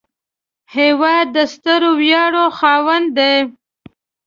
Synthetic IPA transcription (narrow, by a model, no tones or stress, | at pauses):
hewɑd̪ːəst̪əɾowjɑɽoxɑwand̪d̪aj